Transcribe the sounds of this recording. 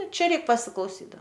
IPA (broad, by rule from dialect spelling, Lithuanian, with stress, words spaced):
ˈt͡ʃʲɛ ˈrʲɛɪk pɐsʲɪklˠɐʊˈsʲiː dɐ